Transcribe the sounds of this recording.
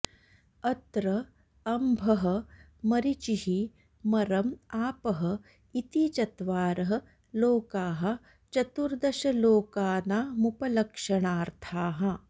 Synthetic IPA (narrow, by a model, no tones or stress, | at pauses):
ɐt̪ɾɐ | ɐmbʱɐɦɐ̆ | mɐɾit͡ʃiɦi | mɐɾɐmaːpɐɦɐ̆ | it̪it͡ʃɐt̪ʋaːɾɐɦɐ̆ | loːkaːɦɐ̆ | t͡ʃɐt̪uɾd̪ɐʃɐloːkaːnaːmupɐlɐkʂɐɳaːɾt̪ʰaːɦɐ